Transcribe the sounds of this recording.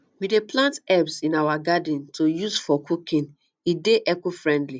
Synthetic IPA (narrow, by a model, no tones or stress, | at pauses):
wideplãntɛbsĩnawaɡadĩntʰojusfɔkukĩn | ideʔɛkofɹɛ̃ndli